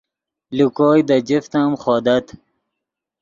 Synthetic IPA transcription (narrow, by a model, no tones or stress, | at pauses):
lukɔːjd̪ad͡ʒɪft̪amχɔːd̪at̪